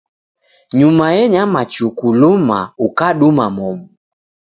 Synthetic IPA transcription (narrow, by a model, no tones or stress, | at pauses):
ɲumajɛɲamat͡ʃukulumaukaɗumamɔmu